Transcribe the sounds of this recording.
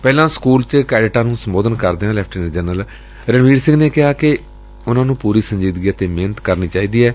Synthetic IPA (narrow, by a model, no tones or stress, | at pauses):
pɛːlãːskuːlt͡ʃkɛːɖʈaːnũːsəmboːd̪ənkəɾd̪eːãːlɛːpʰʈɪnd͡ʒənəl | ɾənʋiːɖsɪ̃ŋɡneːkɪɦaːkɪ | ʊnãːnũːpuːɾiːsəɲd͡ʒiːd̪ɡijaːt̪eːmeːnət̪kəɾniːt͡ʃaːiːd̪iːɛː